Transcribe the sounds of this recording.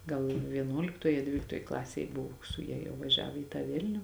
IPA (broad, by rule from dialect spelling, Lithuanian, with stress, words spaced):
ˈɡɐlˠ ʋʲiɛˈnuɔlʲɪktoːj ɐ ˈdʲʋʲiːlʲɪktoːj ˈklˠɑːsʲeːj ˈbʊʋoː sʊ ˈjɛ jɛʊ ʋɐˈʒʲæːʋoː iː tɑː ˈʋʲɪlʲnʲʊ